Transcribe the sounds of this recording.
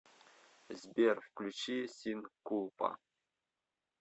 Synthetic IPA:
zʲbʲerfklʲut͡ɕisʲinkulˠpɑ̰

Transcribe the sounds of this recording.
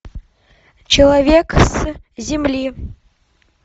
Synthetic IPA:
t͡ɕelˠavʲeks | zʲemlʲi

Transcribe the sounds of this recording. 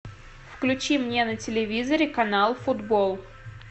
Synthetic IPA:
fklʲʉt͡ɕimnʲenətʲɪlʲɪvʲizəɾʲɪkɐnalˠfʊd̪bolˠ

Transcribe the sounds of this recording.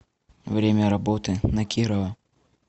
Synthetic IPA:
vɾʲemʲɐɾɐbot̪ɨnɐkʲiɾɐvɐ

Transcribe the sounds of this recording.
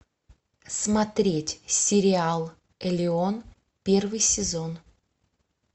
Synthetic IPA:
smɐt̪ɾʲetʲsʲɪɾʲɪalˠ | ɛlʲɪon | pʲe̞rvɨjsʲɪzon

